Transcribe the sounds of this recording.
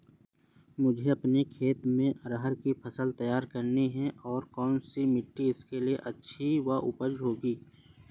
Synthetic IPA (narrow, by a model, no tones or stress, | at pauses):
mʊd͡ʒʱeɐpnekʰeːt̪mẽʔɐɾəɦəɾkipʰəsəlt̪ɐjaːɾkɐɾniɦɛ̃ʔɔːɾkɔːnsimɪʈːiɪskelieʔɐtːʃʰiʋaʔʊpəd͡ʒɦoːɡiː